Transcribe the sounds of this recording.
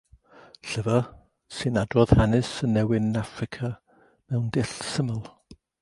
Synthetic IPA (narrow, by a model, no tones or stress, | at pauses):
ɬəvə | sɨnadwɔð̥hanɨsənːɛwɪnafrɪkʰa | mɛwndɪɬsəməlˠ